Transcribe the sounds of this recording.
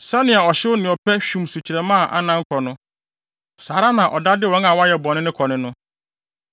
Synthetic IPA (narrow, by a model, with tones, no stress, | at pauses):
sɛ˦nɪ̃˨a˨ɔ˨ɕɪ˦wʊ˦nɪ̃˨ɔ˨pʰɛ˦ɕᶣũ˦˨msu˨t͡ɕʰi˨ɾɛ˨mã˦˨ʔa̰˨nã˦ŋ̩˦kʰɔ˨nʊ̃˦ | saː˨ɾa˦nã˨ʔɔ˨da˦dɪ˦wɔ̃˨˦ŋa˨wa˦jɛ˨bɔ̃˨nɪ̃˦nɪ̃˦kʰɔ˨nɪ̃˦nʊ̃˦